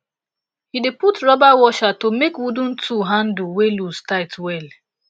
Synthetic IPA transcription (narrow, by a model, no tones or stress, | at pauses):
hideputɹɔbawɔʃatomekwudũn̩tʰuɦãnduwelustaɪtwɛl